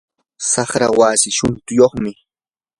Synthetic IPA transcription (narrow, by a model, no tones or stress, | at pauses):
sɑχɾawaːsɪʃʊnt̪ʊjoχmɪ